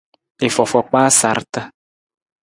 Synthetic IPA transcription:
e˨fɔ˨fɔ˨k͡paː˦sa˨ɾta˦

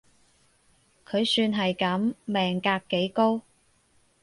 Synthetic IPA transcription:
kʰɵ˨˧ɥsyː˧nɦɐ˨jkɐ˨˥mːɛː˨ŋkaː˧kːe˨˥jko˥w

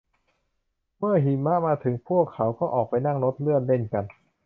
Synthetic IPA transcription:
mɯ˥˩ɐɦi˨˩˦nma˦˥maː˧t̪ʰɯ˩˦ŋpʰu˥˩əkʰːa˩˦wkɔː˥˩ʔɔː˨˩k̚pa˧jna˥˩ŋɾo˦˥t̪̚lɯ˥˩ənle˥˩nka˧n

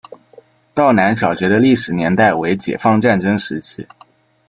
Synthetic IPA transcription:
t̪ɑ˥˩ʊna˧˥nɕ̬jɑ˨˩ʊɕɥɛ˧˥d̪ə˧li˥˩ʂɻ̩˨˩njɛ˧˥nt̪a˥˩ɪwe˧˥ɪt͡ɕjɛ̰˨˩fɑ˥˧ŋʈ͡ʂa˥˩nʈ͡ʂɤ˥ŋʂɻ̩˧˥t͡ɕʰi˥

